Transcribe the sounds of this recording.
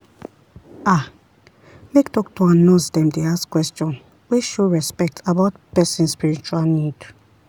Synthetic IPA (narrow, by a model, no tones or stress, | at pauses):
a | mektɔktoãnnɔsdɛ̃mdeaskwɛstjɔ̃n | wiʃuɹɛspɛk̚tʰabaʊtpɛsĩnspiɹit͡ʃualnid